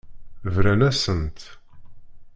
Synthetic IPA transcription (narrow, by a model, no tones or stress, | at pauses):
vɾænæsənt̪